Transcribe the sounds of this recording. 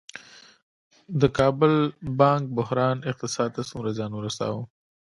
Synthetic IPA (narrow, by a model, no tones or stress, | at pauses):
d̪əkɑːbʊlbɑŋk̚bʊhɾɑːnɪq̚t̪ɪsɑd̪̚t̪asumɾazɑnuɾast̪ɑ̰wu